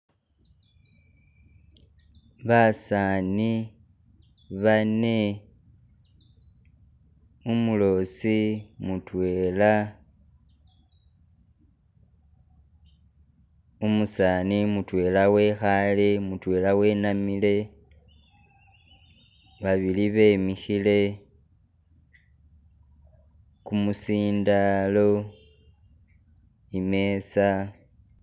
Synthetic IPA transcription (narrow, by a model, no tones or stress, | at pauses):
βasani | βane̞ | umulo̞simutwe̞ːla | umusanimutwe̞lawe̞xalemutwe̞ːlawe̞namile̞ | βaβiliβe̞ːmixile̞ | kumusiːndalo̞ | ime̞sa